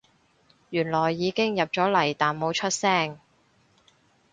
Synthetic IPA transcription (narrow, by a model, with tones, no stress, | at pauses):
jyː˨˩nlɔː˨˩jːiː˨˧kɪ˥ŋjɐ˨p̚t͡ʃɔː˨˥lɐ˨˩jt̪aː˨nmo˨˧˥wt͡ʃʰɵ˥t̚sɛː˥˩ŋ